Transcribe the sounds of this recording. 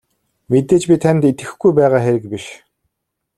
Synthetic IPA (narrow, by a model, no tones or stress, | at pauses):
met̪eːt͡ɕpʲit̪ʰænt̪it̪ɡɘ̆xɡujpæːʁaːxeɾɘ̆kpiʃ